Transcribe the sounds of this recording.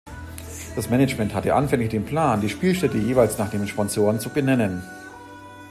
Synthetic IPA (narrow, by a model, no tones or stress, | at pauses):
d̥asmɛnət͡ʃmɛnthatəʔanfɛŋlɪçd̥eːnpl̥aːndiːʃpiːlʃtɛtəjeːvaɪlsnaːχd̥eːmʃpɔnzoːʁənt͡subənɛnən